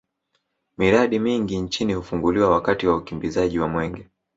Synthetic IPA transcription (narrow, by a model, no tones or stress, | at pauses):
miɾaɗimiŋɡint͡ʃinihufuŋɡuliwawakatiwaukimbizaʄiwamwɛŋɡɛ